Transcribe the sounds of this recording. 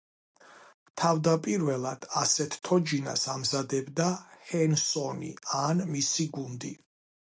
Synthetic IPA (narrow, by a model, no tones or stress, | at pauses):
t̪ʰavd̪apʼiɾvɛlˠad̪̥asɛt̪ʰt̪ʰɔd͡ʒina̰samzad̪ɛbd̪ahɛnsɔnḭanmisiɡund̪i